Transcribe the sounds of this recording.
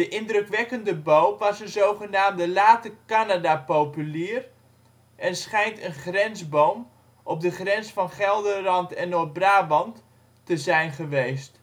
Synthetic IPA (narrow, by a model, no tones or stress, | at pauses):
dəʔɪndrɵkʋɛkəndəbowmʋɑsənzowχənaːmdəlaːtəkanadapowpyliːr | ʔɛnsχɛjntənχrɛnzbowm | ʔɔp̚dəχrɛnsfɑnχɛlˠdəlɑntɛnobraːʋɑntː | əzɛjnχəʋejst